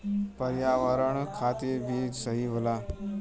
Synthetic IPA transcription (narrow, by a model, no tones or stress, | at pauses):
pəɾjaʋəɾəɳ̃kʰat̪iːɾbʱiːsəɦiɦola